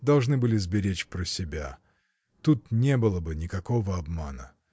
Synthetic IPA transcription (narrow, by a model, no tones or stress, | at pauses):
d̪ɐlˠʐnɨbɨlʲɪzbʲɪɾʲet͡ɕpɾəsʲɪbʲa̰ | t̪ut̪nʲebɨlˠəbɨnʲɪkɐko̞vəɐbma̰nə̰